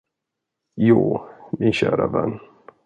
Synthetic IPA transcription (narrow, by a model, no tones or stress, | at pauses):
juːmɪnɕæːɾavɛnː